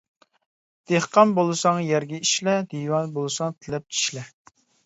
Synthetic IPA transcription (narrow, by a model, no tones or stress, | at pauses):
d̪̥eχqɑnbolˠɨsɑŋjɛɾɡʲɛiʃlɛd̪̥ijwɑnbolˠɨsɑŋt̪ʰɪlɛp̚t͡ʃʰi̥ʃlɛ